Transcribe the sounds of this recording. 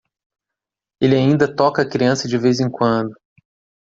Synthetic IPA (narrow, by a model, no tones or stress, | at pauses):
elɪaĩnd̪ɐt̪ɔkɐːkɾiɐ̃sɐd͡ʒɪvezẽŋkwɐ̃nd̪ʊ